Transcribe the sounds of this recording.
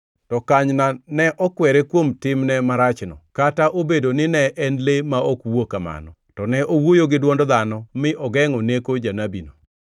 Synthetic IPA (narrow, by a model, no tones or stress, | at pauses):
tɔkaɲnanɛʔɔkwɛɾekwomtɪmnɛmaɾat͡ʃnɔkataʔobedonɪnɛʔɛnlemaokwokama̰nɔ | tɔnɛʔowojoɡɪdwɔndɔd̪anɔmɪʔɔɡɛŋɔnekod͡ʒanabḭno